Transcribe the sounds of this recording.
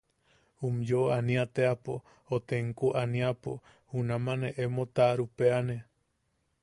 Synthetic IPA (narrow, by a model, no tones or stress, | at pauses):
umjoanĩat̪eapo | ot̪eŋkuʔanĩapo̰ | hunãmãneʔemot̪aɾupeane